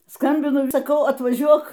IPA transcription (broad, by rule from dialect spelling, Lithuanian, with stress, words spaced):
ˈskɐmʲbʲɪnʊ ɪ sɐˈkɐʊ ɐtʋɐˈʒʲuɔk